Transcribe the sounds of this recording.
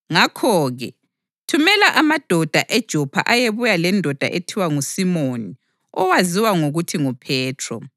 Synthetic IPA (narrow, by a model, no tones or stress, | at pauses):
ŋakʰɔːɣɛ | tʰumɛlaʔamad̥ʱɔd̥ʱaʔɛd̥ʒ̥ʱɔpʰa̰ʔajeβujalɛndʱɔd̥ʱa̰ʔetʰiwaŋusimoni | ɔwaziwaŋoɣutʰiŋupʰɛːtʰrɔ̰